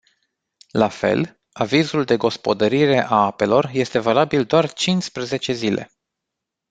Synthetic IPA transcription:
lafe̞̰l | avizuld̪e̞ɡo̞spo̞d̪əɾiɾe̞ʔaape̞lo̞rje̞st̪e̞valabild̪oart͡ʃinspɾəze̞t͡ʃe̞zile̞̰

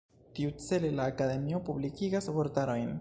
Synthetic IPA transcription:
tiut͡se̞le̞laːkad̪e̞mio̞publikiɡasbo̞ɾtaɾo̞jn

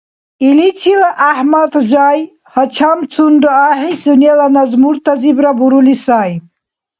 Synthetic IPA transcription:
ilit͡ɕʰilaʔahmat̪ʑaj | hɐt͡ɕʰamt͡sʰunɖoaɦisunjalanazmuɾt̪azibɾabuɾulisaːj

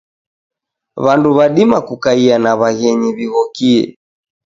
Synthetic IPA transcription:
βanduβaɗimakukaianaβaɣɛɲiβiɣɔkiɛ̰

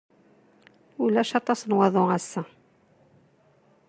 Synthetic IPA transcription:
ulæʃɑt̪ˤːɑsnwɑðˤoæsːæ

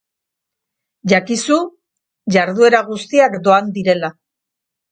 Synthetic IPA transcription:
ʝakisu | ʝaɾðue̞ɾaɣust̪iakd̪o̞and̪iɾe̞la

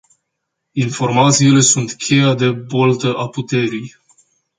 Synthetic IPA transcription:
info̞rmat̪siːle̞sunt̪kʲʰe̞jad̪e̞bolt̪əʔaput̪e̞ɾij

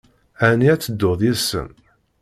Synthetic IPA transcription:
æniæt͡sːəd̪ːoðˤjisə̰m

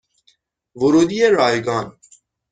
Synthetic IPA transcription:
voɾuːd̪iːjeɾɒːjɡɒːn

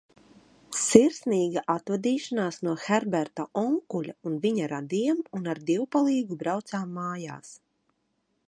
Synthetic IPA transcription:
siɾsniːɡaʔat̪vad̪iːʃanaːsnuɔxɛɾbɛɾt̪aʔɔŋkulʲaunviɲaɾad̪iɛmunaɾd̪iwpalˠiːɡubɾawt̪saːmːaːja̰ːs

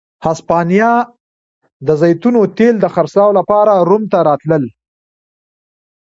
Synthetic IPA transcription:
haspɑnijɑ | d̪əzajt̪unot̪eld̪əxaɾslɑwlapɑɾaɾumt̪aɾɑt̪ləl

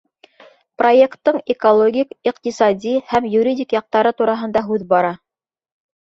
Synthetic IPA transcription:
pro̞jekt̪ːɤɴekolˠoɡʲikiqt̪isɑd̪ʲihæmjuɾʲidʲikjɑq̚t̪ɑɾɤt̪uɾɑɦɤ̆nd̪ɑɦʉðbɑɾɑ

